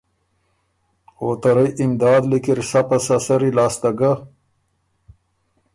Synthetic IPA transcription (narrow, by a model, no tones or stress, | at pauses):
oːt̪aɾajʔimd̪ɑːd̪likiɾsapasasɐɾilaːst̪aɡa